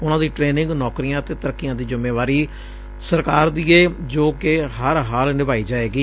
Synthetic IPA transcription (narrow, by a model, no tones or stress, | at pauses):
ʊnãːd̪iːʈɾeːnɪ̃ŋɡnɔːkɾijãːt̪eːt̪əɾəkːijãːd̪iːd͡ʒɪmːeːʋaːɾiː | səɾkaːɾd̪iːɛːd͡ʒoːkɪɦəɾɦaːlnɪbaːiːd͡ʒaːeːɡiː